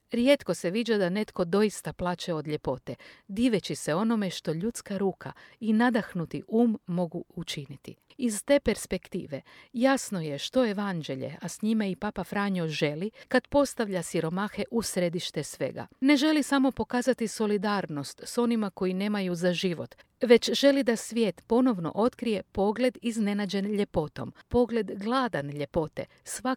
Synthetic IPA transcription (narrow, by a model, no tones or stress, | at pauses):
ɾje̞t̪ko̞se̞ʋid͡ʒad̪ane̞t̪ko̞d̪o̞ist̪aplˠaːt͡ʃeo̞d̪ʎe̞po̞t̪e̞d̪iːʋe̞t͡ɕise̞o̞no̞me̞ʃt̪o̞ʎut̪skaɾuːkʰa̰inad̪axnut̪iʔuːmːo̞ɡuut͡ʃinit̪ḭ | izt̪e̞pe̞ɾspe̞kt̪ḭːʋe̞jasno̞je̞ʃt̪o̞e̞ʋand͡ʒe̞ʎe̞̰ʔasɲimaipapafɾaːɲoʒe̞likad̪po̞st̪aʋʎasiɾo̞maxe̞ʔusɾed̪iʃt̪e̞sʋe̞̰ɡa̰ne̞ʒe̞lisamo̞po̞kaːzat̪iso̞lid̪aːɾno̞st̪so̞nimako̞jine̞ːmajuzaʒiʋo̞t̪ | ʋe̞t͡ɕʒe̞lid̪asʋje̞ːt̪po̞no̞ʋno̞̰ʔo̞t̪kɾije̞po̞ɡle̞d̪izne̞nad͡ʑe̞nʎe̞po̞t̪o̞̰mpo̞ɡle̞d̪ɡlˠad̪anʎe̞po̞t̪e̞̰ | sʋa